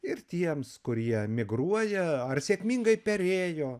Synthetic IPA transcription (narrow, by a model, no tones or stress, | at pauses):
ɪrt̪ʲiɛmskʊɾʲiɛmʲɪɡɾuɔjɛɐrsʲeːkmʲiŋɡɐɪpʲɛɾʲeːjoː